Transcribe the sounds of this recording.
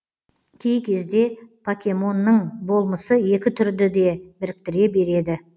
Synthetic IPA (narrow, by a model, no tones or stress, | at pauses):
kʲʰe̞jkʲʰe̞zd̪e̞pʰakʲe̞mo̞nːəɴbo̞lˠməsəje̞kʲɪt̪ʰʏɾd̪ɪd̪e̞bɪɾɪk̚t̪ɪɾe̞be̞ɾe̞d̪ɪ